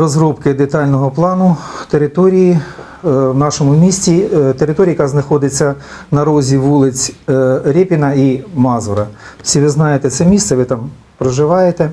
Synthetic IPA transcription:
ɾɔzɾɔpkɪd̪et̪ɑlʲnɔɦɔplˠɑnʊt̪eɾɪt̪ɔɾʲiji | wnɑʃɔmʊmʲisʲtʲit̪eɾɪt̪ɔɾʲijɐkaznɐxɔd̪ɪt͡sʲːɐnɐɾɔzʲiʋulˠɪt͡sʲɾʲepʲinɐimɑzʊɾɐsʲiʋɪznɑjet̪ɛt̪sɛmʲissɛʋɪt̪ɑm | pɾɔʒɪʋɑjet̪ɛ

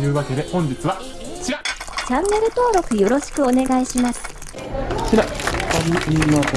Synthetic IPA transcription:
jɯ̟ːβake̞d̪e̞hõ̞ɲ̟d͡ʑit͡sɨβa | t͡ɕiɾat͡ɕãnːe̞ɾɯ̟t̪o̞ːɾo̞kɯ̟jo̞ɾo̞ɕi̥kɯ̟o̞ne̞ɡaiɕimasɨ̥ | kiɾapaɾʲiiimat̪

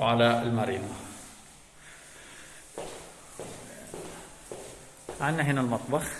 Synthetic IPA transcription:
ʕalaɪlmaɾiːd̪ˤɑ | ʕanːaɦɪnalmɑt̪ˤbɑx

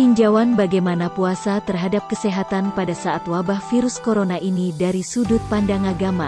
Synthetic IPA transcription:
iɲd͡ʒawanbaɡajmanapuasat̪ərɦadap̚kəsɛɦat̪anpadasaʔat̪wabahfiɾuskoɾonaʔinidaɾisudʊt̪̚pandaŋaɡama

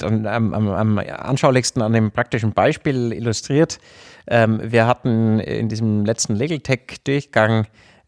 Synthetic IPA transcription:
ana̰ma̰ma̰mʔa̰nʃaʊlɪçstn̩andeːmpʁ̥ak̚tɪʃn̩b̥aɪʃpiːlɪ̰lʊstʁ̥iːɐt | ʔɛːmviːɐɦatn̩ɪ̰ndiːzəmlɛt͡stn̩leːɡl̩tʰɛkd̥ʊɐçɡ̥aŋ

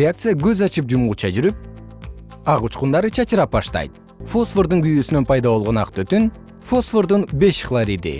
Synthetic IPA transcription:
ɪak̚t̪sɨjaɡøzɑt͡ʃɯp̚d͡ʒumut͡ʃʰɑd͡ʒyɾyp̚ | ɑʁut͡ʃqund̪ɑɾɯt͡ʃʰɑt͡ʃɯɾɑp̚bɑʃt̪ɑ̰jt̪̚ | fo̞sfo̞ɾd̪uŋɡyjyːsynønpʰɑjd̪ɑβo̞lˠʁo̞nɑq̚t̪øt̪yn | fo̞sfoɾd̪unbe̞ʃχlˠaɾid̪ḭ

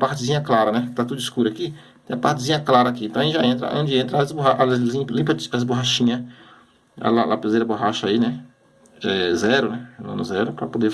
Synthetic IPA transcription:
paɾt͡ʃɪzĩɲɐklaɾɐnɛkɪ̥t̪at̪ud̪ʊɪskuɾakitt̪ẽɐpaɾt͡ʃɪzĩɲɐklaɾɐːkiẽt̪ɐ̃ĩʒaẽnt̪ɾɐ̰ʔõd͡ʒɪẽnt̪ɾɐazboɦaʔalĩplĩpɐaɪzboɦaʃĩɲɐ | a̰lalapezejɾɐboɦaʃɐainɛ | ɛzɛɾʊnɛmɐ̰̃nʊzɛɾʊpɾɐpod̪e

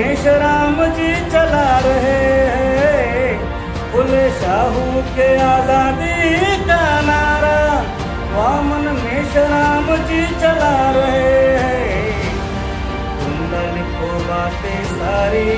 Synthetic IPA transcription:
eːʃɾaːmd͡ʒiːt͡ʃəlaɾɐɦeɦɛ | ʊleːʃaːɦuːkeaːzaːd̪ikaːnaːɾaː | ʋaːmənmeːʃəɾaːmd͡ʒiːt͡ʃəlaɾəɦeɦɛː | ɡʊnd̪aːlɪkʰoːbaːt̪eːsaːɾiː

